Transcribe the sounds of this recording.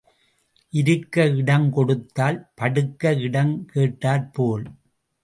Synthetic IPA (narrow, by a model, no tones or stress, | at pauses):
ʔɪɾɯkːɐɪɽɐmkɔɽɯt̪ːaːlpɐɽɯkːɐɪɽɐmkeːʈːaːɾpoːl